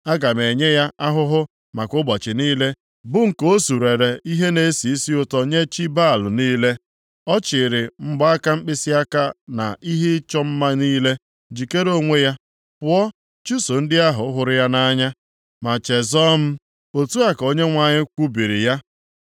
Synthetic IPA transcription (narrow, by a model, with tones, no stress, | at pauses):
a˦ɡa˨me˨ɲe˦ja˦a˦ɦʊ˦ɦʊ˦ | ma˨kʊ˦bɔ˨t͡ʃɪ˨niː˦le˦ | bʊ˦ŋ̩˨ko˦o˦su˨ɾe˨ɾe˨i˦ɦe˦ne˨˦si˨i˦si˦ʊ˨tɔ˦ɲe˦t͡ʃi˦ba˦˨lʊ˨niː˦le˦ | ɔ˦t͡ʃɪ˨ɾɪ˨ŋ͡m̩˦ɡ͡ba˦a˦ka˦m̩˦k͡pɪ˦sɪ˦a˦ka˦na̰˨ʔi˦ɦe˦t͡ʃɔ˦m̩˦ma˦niː˦le˦ | d͡ʒi˨ke˦ɾo˦ŋʷe˦ja˦ | pʊ˦ɔ˦ | t͡ʃu˦so˨n̩˦dɪ˦a˦ɦʊ˨˦ɦʊ˨ɾɪ˦ja˦na˦ɲa˦ | ma˨t͡ʃe˨zɔ˦m̩˦ | o˨tu˦a˦ko˦ɲe˦ŋʷa˨ɲɪ˦kʷu˦bi˨ɾḭ˨ja˦